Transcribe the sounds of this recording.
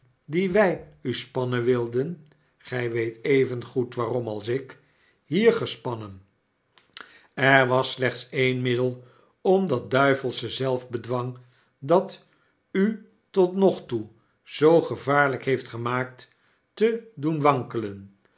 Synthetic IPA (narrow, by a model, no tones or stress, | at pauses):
diʋɛjyspɑnənʋɪlˠdən | χɛjʋejtejvənχutʋaːrɔmɑlˠsɪk | ɦiːɹχəspɑnən | ɛɹʋɑslɛχtsejnmɪdəlˠ | ɔmdɑt̚dœɥvəlˠsəzɛlˠvbədʋɑŋ | dɑt | y | tɔtnɔχtu | z̥owχəvaːɹləkɦejftχəmaːk̚t | tədunʋɑŋkələn